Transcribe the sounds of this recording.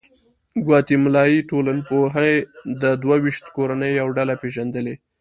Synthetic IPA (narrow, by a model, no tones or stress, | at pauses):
ɡwɑt̪imlɑjiʈolanpoɦajd̪əd̪wawiʃt̪koɾanəjawɖalapeʒand̪əle